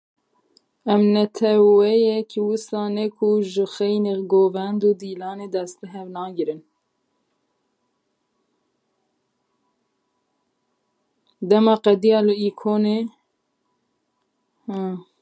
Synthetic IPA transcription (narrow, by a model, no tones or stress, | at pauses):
ɛmnɛt̪ʰɛwɛjɛkwɨsɑːnɛkʰuʒɨxɛjneɡoːvɛnd̪uːd̪iːlɑːneːd̪ɛst̪̚bɨɦɛvnɑːɡɨɾɨn | d̪ɛmɑːqɛd̪ijɑːlɨiːkʰoːne